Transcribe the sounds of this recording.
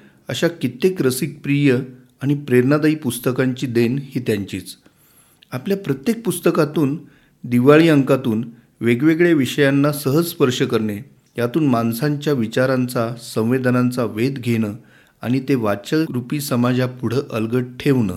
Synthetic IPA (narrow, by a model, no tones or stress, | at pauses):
ə̰ɕakit̪ekɾəsik̚pɾijə | aɽ̃ipɾeɾnad̪əiːpust̪əkaɲt͡ɕiːd̪enhiːt̪jaɲt͡ɕiːt͡s | apljapɾət̪jek̚pust̪əkat̪uːn | d̪iʋaɭiːəŋkat̪uːn | ʋeɡʋeɡɭeʋiɕəjanːasəɦəd͡zspəɾʂəkəɾɳe | jat̪uːnmansaɲt͡ɕjaʋit͡ɕaɾant͡sasə̃w̃ʋed̪ʱənant͡saʋed̪ɡʱeɽ̃əː | a̰ɽ̃it̪eʋat͡ɕəɭɾupiːsəmad͡zapuɽ̤əːʔəlɡəɽ̚ʈʰeʋɳə̰ː